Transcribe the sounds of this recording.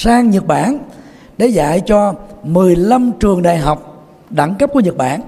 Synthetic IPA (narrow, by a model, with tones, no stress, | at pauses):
saː˧ŋɲə˨˩t̚ɓaː˧˩n | ɗe˧˩za̰ː˧˨jt͡ɕɔ˧mɨ˨˩əjla˧mt͡ɕɨ˨˩əŋɗa̰ː˧˨jɦa˨˩wk͡p̚ | ɗa̰˧˩ŋkə˦˥p̚ku˧˩˦ɲə˨˩t̚ɓa̰ː˧˩n